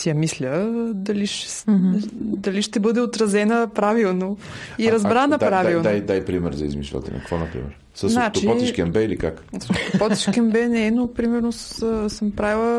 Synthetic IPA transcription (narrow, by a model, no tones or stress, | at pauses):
sijɐmislʲəd̪ɐliʃ | d̪ɐliʃt̪ɛbɤd̪ɛot̪ɾɐzɛnəpɾavilˠnoiɾɐzbɾanəpɾavilˠnajd̪ajpɾimɛɾzɐḭzmiʃvˠə̰t̪ɛ̰nɐ̰kkvɔnɐpɾḭmɛ̰ɾ | səznat͡ʃipɔt̪iʃkɛmbɛilikakst̪ʊpɔt̪i̥ʃkʲɛmbɛnɛɛnopɾimɛɾnossəmpɾavilˠə